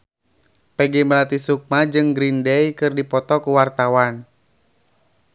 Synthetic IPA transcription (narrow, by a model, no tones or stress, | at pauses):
pɛɡɛməlat̪isuk̚mad͡ʒɨŋɡɾindɛjkɨrdipɔt̪ɔkuwart̪awan